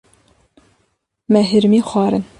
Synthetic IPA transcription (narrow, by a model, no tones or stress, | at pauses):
mɛɦɨɾmiːxʷɑːɾɨn